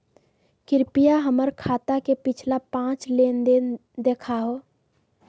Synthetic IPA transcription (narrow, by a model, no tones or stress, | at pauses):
kɪɾpijaɦəməɾkʰaːt̪akepɪt͡ʃʰlapãːt͡ʃleːnd̪end̪eːkʰaɦoː